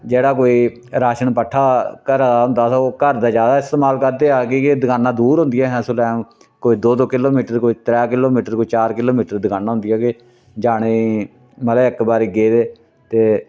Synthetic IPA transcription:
d͡ʒeːɽaːkoːiː | ɾaːʃəɳpəʈʰːaːkəɾaːɦʊ̃nd̪aːt̪ːoːkəɾd̪aːd͡ʒaːd̪aːɪst̪eːmaːlkəɾd̪eːaːkikɪd̪ɪkaːnãːd̪uːɾɦʊ̃nd̪ijɛːɦɛ̃ːsʊlɛ̃ː | koːiːd̪oːd̪oːkɪloːmiːʈəɾkoːiːt̪ɾɛːkɪloːmiːʈəɾkoːiːt͡ʃaːɾkɪloːmiːʈəɾd̪ɪkaːnãːɦʊnd̪ɪjaːkɪ | d͡ʒaːɽeː | məlɪkbaːɾiːɡeːd̪eː | t̪eː

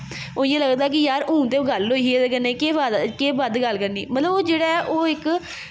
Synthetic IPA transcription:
oːɪ̃jãːləɡd̪aːk̬ɪjaːɾũːt̪eːɡəloːieːd̪ekəneːkeːʋad̪keːbəd̪ɡəlkəɾnḭːmət̪ləboːd͡ʒeːɽaːɛːʔoːɪk

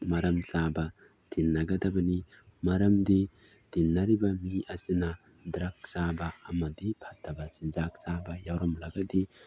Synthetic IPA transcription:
mɐɾɐmsabɐ | tinːɐɡɐdɐbɐni | mɐɾɐmdi | d̥inːɐɾibɐmiʔɐsinɐ | dɾɐk̚sabɐɐmɐdipʰɐtʰːɐbɐsinzak̚sabɐjawɾɔmlɐɡɐdi

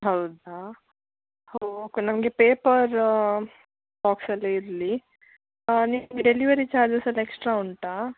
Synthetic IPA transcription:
ɦawd̪a | hoknɐmɡepeːpəɾ | baːksɐlːeiɾli | nimɡeɖeliʋɐɾit͡ʃaːɾd͡ʒɐsɐleksʈɾauɳʈa

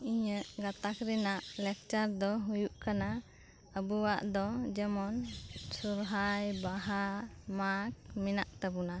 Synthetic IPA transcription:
iɲəʔɡat̪akɾɛnaʔlɛk̚t͡ʃaɾd̪ɔɦujuʔkana | əbuwaʔd̪ɔd͡ʒɛmɔnsuɾɦajbaɦamak̚mɛnaʔt̪abuna

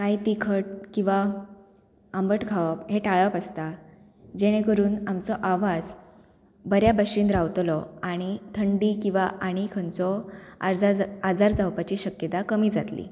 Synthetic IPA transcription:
kajt̪ikʰəʈ̚kĩw̃ʋa | ambəʈkʰaʋəpɦeʈaɭəpast̪a | d͡ʑeɽ̃ẽkəɾuːnamt͡sɔʔaʋad͡z | bəɾjabəɕiːnd̪ɾawt̪lɔaɽ̃it̪ʰəɳɖikĩw̃ʋaʔaɽ̃ikʰənt͡sɔ | ad͡zaɾd͡zawpat͡ɕiːɕəkjət̪akəmiːd͡zat̪lḭː

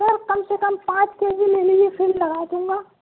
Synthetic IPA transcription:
əɾkɐmsekɐmpãːt͡ʃkeːzimeliefʰɪmlɐɡaːd͡ʒ̪ũːŋɡaː

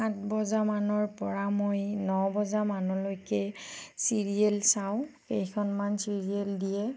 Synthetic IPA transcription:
ãtbɔzamanɔɹpɔɹamojnɔbɔzamanɔlojkɛsiɹielsaʊ̃xejkʰɔnmansiɹieldijɛ

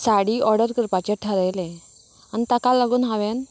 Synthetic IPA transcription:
saɽiːʔɔɾɖəɾkəɾpat͡ɕeʈʰəɾəjle | anit̪akalaɡuːnɦaʋen

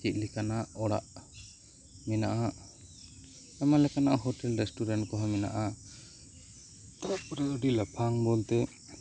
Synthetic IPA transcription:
kit̪̚ˀlikanaʔɔɽa̰ʔ | mɛnaʔa | amalɛkanaʔɦɔʈɛlɾɛsʈuɾɛnkɔɦɔmɛna̰ʔa | t̪apɔɾaɖilapʰaŋbɔlt̪ɛ

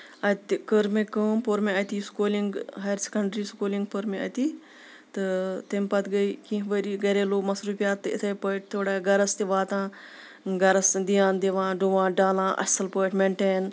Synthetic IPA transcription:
ɐt̪ʲkəɾmekəːmpoɾmeɐt̪iskoːliŋɡɦɐɾsʲi̥kɐɳɖɾiːskoːliŋɡ̚pɐɾmeɐ̰t̪i | t̪ɨt̪ɐmʲpɐt̪ɡɐjkĩɦʋɐɾiːɡɐɾeːloːmɐsɾuːpijaːt̪ːɨɪ̰t̪ʰɐjpəʈ̚t̪ʰoːɽaɡɐɾɐst̪iʋaːt̪ãː | ɡɐɾɐsd̪ijãːnd̪eʋãːɖuʋãːɖaːlãːʔɐ̰sɐlpəjʈmeɳʈeːn

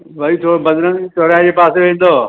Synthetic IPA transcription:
ʋɐit̪ʰoːobɐd̪ɾəŋt̪ʰoːɾad͡ʑeːpaːseʋẽːn̆d̪oː

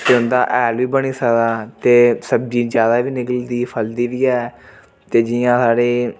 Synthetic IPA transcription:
t̪eːʊnd̪aːʔɛːlʋiːbəɽ̃iːsəkd̪aːt̪eːsəb̚d͡ʒiːd͡ʒjaːd̪aːʋiːnɪkəld̪iːpʰəld̪iːʋiːɛː | t̪eːd͡ʒɪjãːsaːɽeː

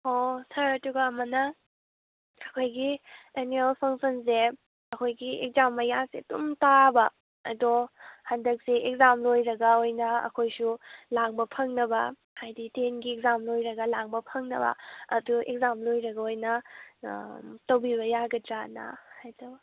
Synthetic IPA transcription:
osʰɐɾtuɡamɐnɐ | ɐkʰojɡienuelpʰɐŋsɐnse | ɐkʰojɡiḛk̚zamːɐjasedṵmtabɐ | ɐ̰dohandɐk̚seek̚zamlojɾɐɡɐojnɐɐ̰kʰojsulaŋbɐpʰɐŋnɐbɐ | hajditenɡiekzamlojɾɐɡɐlaŋbɐpʰɐŋnɐbɐ̰ɐ̰duḛk̚zamlojɾɐɡɐojnɐ | towbiβɐjaɡɐtɾana̰hajdo

